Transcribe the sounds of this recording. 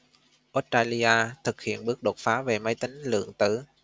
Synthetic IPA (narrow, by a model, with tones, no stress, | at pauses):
ʔo˦˥s̚ɾaː˧li˧ʔaː˧t̪ʰɨ˨˩k̚hḭ˧˨ənɓɨ˦˥ək̚ɗo˨˩t̚faː˨˦ve˨˩mə˨˦jt̪ï˨˦ŋ̟lɨ̰˧˨əŋt̪ɨ˧˩